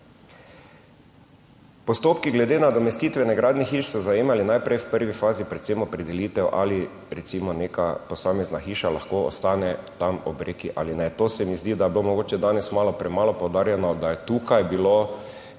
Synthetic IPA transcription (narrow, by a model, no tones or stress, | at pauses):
pɔst̪oːpkiɡlɛd̪eːnad̪ɔmɛst̪iːt̪ʋɛnɛɡɾaːd̪nixiːʃsɔzajeːmalinajpɾɛjwpəɾʋifaːzipɾɛt̪semɔpɾɛd̪ɛliːt̪ɛwʔa̰li | ɾɛt̪simɔneːkapɔsaːmɛznaxiːʃala̰xkoɔ̰st̪aːnɛt̪amɔ̰bɾeːkiʔa̰linɛt̪oːsɛmizd̪iːd̪ajbilomɔɡoːt͡ʃɛd̪aːnɛsmaːlɔpɾɛmaːlɔpowd̪aːɾjɛnɔd̪ajɛt̪uːkajbilo